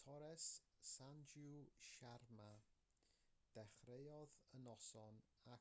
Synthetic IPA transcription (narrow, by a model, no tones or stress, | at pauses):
tʰɔɾɛsːand͡ʒuʃarma | d̥ɛχrejɔðənɔsɔn | a